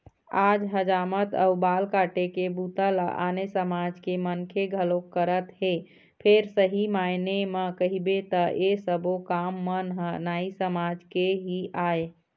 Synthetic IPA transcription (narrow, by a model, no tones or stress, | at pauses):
ad͡ʒɦəd͡ʒamət̪ə̰ubalkaʈekebut̪əlʔa̰nesəmad͡ʒkemənkʰeɡʱəlokːəɾət̪ɦe | pʰeɾsəɦimajneməkəɦibet̪əʔesəbokamːənɦənaisəmad͡ʒkeɦiʔaje